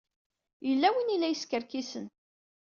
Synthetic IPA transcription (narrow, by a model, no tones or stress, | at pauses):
jəlːæwinilːæjəskəɾkisən